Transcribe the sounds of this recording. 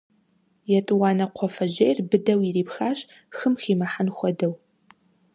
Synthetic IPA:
jɛtʼɨwɑːnɐqʷʰɔfɐʑejrbɨdɐwiriːpxaːɕ | xɨmxiːmɐħanxʷɔdɐw

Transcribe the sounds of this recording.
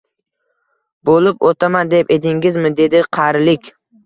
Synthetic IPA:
bolɪpot̪ʰamand̪eped̪ɪŋʲɪzmɪd̪e̞d̪ɪqʰɑɾlɪkʲ

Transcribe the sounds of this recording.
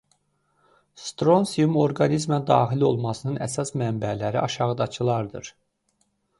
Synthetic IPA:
st̪ɾo̞nsiumo̞ɾɡɑnizmæd̪ɑ̰ːxilio̞lˠmɑsɯnɯnʔæsɑsmæmbælæɾḭɑʃɑʁɯd̪ɑt͡ʃʰɯlˠɑɾd̪ɯ̰ɾ̥

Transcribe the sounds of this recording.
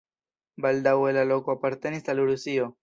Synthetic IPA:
bald̪awelalo̞ko̞apaɾt̪e̞nisaluɾusio̞

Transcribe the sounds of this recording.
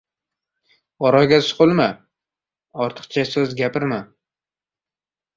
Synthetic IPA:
ɒɾɒjɡʲasʊ̥qʊlˠma | ɒɾt̪ʰɨ̥qt͡ʃʰasɵzɡʲapʰɪɾma

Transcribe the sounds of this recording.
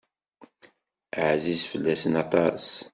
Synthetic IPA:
əʕzizfəlːæsənɑt̪ˤɑs

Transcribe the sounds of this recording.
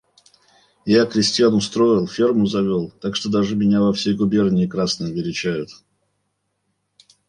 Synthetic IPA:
jakɾʲɪsʲtʲɪjanʊst̪ɾo̞jɪlˠfʲermʊzɐvʲolˠt̪akʂt̪o̞d̪aʐɨmʲɪnʲavɐfsʲejɡʊbʲe̞rnʲɪɪkɾasnɨjɐbʲɪɾʲɪt͡ɕæjʊt̪

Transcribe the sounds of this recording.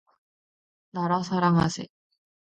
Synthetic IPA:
naɾasaɾaŋa̰sḛ

